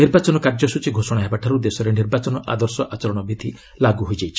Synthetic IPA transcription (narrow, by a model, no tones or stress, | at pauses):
niɾbat͡ʃɔnɔkaɾd͡ʒɔsut͡ʃʰiɡʱosɔɽ̃aɦebaʈʰaɾud̪esɔɾeniɾbat͡ʃɔnɔʔa̰d̪ɔɾsɔʔat͡ʃɔɾɔɽ̃ɔbʱit̪i | laɡuɦojd͡ʒajt͡ʃʰi̥